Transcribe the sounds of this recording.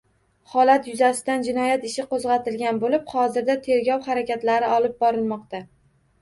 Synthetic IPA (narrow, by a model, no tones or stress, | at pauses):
hɒlat̪jʊzasɪd̪and͡ʒɪnɒjat̪ɪʃɪqozʁɑt̪ɪlɡʲanbolɪphɒzɪɾd̪at̪ʰe̞ɾɡʲɒwχaɾakʲat̪laɾɪɒlˠɪp̚bɒɾɪlˠmɒq̚t̪a